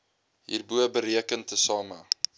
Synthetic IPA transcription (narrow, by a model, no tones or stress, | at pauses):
ɦḭːrbuəbəɾiəkəntəsɑːmə